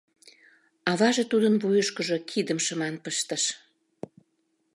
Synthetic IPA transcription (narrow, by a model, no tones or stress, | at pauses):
ɑβɑʒet̪ud̪ənβujəʃkəʒokʰid̪əmʃəmɑnpəʃt̪əʃ